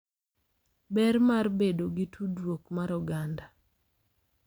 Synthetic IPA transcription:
bɛrmarbedoɡitʰudwokmaɾɔɡanda

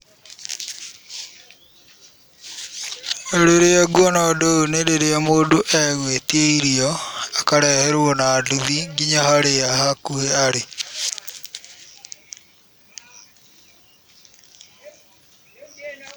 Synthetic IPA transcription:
eɾeɾeaɡwɔnɔdooneɾeɾeamoːdoʔɛɣwetieiɾiɔakaɾɛhɛɾwɔnaːduβiŋɡiɲahaɾeahakueaɾe

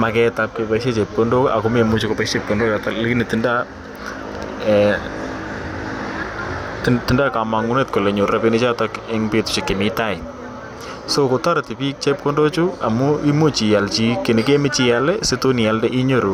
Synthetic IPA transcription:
makɛtap̚kepaʃet͡ʃep̚kondoka̰kʊmemʊt͡ʃʊkopaʃep̚kondojatalɪkinɪtɪnda | ttɪndakamaŋunetkoleɲorapenɪt͡ʃatakeŋpetʊ̥t͡ʃekɪmɪtaɪ | sokotaɾatɪpik̚t͡ʃep̚kondot͡ʃuamʊimot͡ʃijalt͡ʃikɪnɪkemɪt͡ʃɪjalɛsetonɪjaldɛʔiɲoɾo

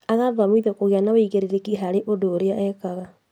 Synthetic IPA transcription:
aɣaðwamuiðɛkoɣeanawiɣeɾeɾekiɦaɾeʔodoːɾeaʔɛkaɣa

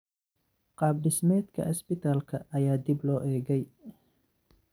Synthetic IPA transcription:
qɑːb̚ɖɪsmɛːd̪kʰɐ̰ɪspɪt̪ʰaːlkʰɐʔɐjaːd̪ɪblɔːʔɛːɣɛj

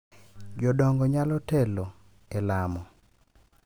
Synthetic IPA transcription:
d͡ʒɔdɔŋɡɔɲalɔtɛlɔ | ɛlamɔ

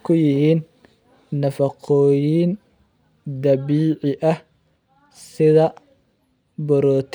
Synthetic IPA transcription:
kʰʊjɪhiːnː | ɐfɐqʰɔːjiːn | d̪ɐβiːʕɪʔɐh | sɪðɐ | bʊɾɔːt̪ʰ

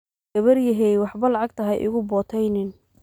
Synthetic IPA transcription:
ɡ̥ɐβɐrjɐɦɛjwɑħbɐlɑʕɑɡ̚t̪ʰɐɦɛjʔɪ̰ɣʊbɔːt̪ʰɛjnɪn

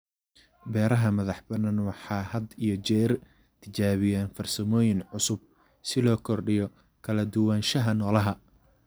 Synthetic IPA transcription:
bɛːɾɐɦɐmɐðɑħbɐnaːnwɑħɑːhɐd̪ijɔt͡ʃɛːr | t̪ʰɪt͡ʃaːβɪjaːnfɐrsɐmɔːjɪnʕʊsʊb̚ | sɪlɔːkʰɔrɖɪjɔ | kʰɐlɐd̪ʊwaːnʃɐɦɐnɔːlɐɦɐ

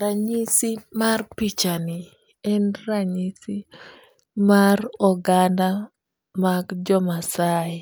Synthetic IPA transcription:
ɾaɲisimarpit͡ʃani | ɛnɾaɲisi | marɔɡanda | maɡd͡ʒɔmasaɪ

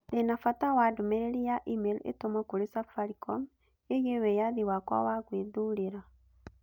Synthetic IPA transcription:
ðenafatawadomeɾeɾijaʔimelḛtomakuɾesafaɾikɔm | ejewejaðiwakwa̰waɣweðuɾeɾa

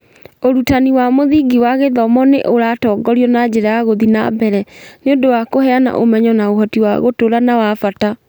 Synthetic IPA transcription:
oɾutaniwamoðiɡiwaɣeðɔmɔneʔoɾatɔːɡɔɾiɔnad͡ʑeɾajaɣoðina̰bɛɾɛneodowakohɛana̰ʔomɛɲɔnaoɦɔtiwa̰ɣotoɾanawafata

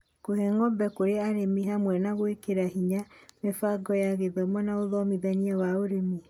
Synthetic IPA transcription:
kohɛŋɔbɛkoɾeaɾemiɦamwɛnaɣwekeɾahiɲamefaɡɔjaɣeðɛmwɔnaoðɔmiðɛniɛwaoɾemi

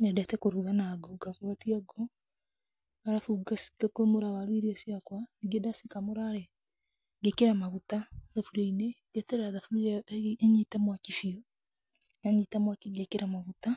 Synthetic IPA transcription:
nɛdɛtɛkoɾuɣanaɡoɡakuɾatiaɡɔ | aɾafuɡaskakomoɾawaɾwiɾiasiakwaniɡedasikamoɾaɾe | ɡekeɾamaβutaðafuɾeineɡetɛɾaðafuɾiɣɲitamwakifio | naɲitamwakiɡekeɾamaβuta

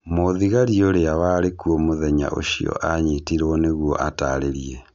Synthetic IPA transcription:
moðiɣaɾioɾeawaɾekuɔmoðɛɲa̰ʔo̰ʃiɔ̰ʔaɲetiɾɔneɣuɔʔata̰ɾeɾiɛ

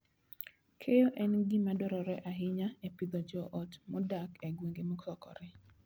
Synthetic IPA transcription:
kʰejoʔɛnɡimadɔɾɔɾɛʔaɦɪɲaepid̪ɔd͡ʒɔʔɔtmɔdakɛɡweŋɡemoksɔkɔ̰ɾɛ

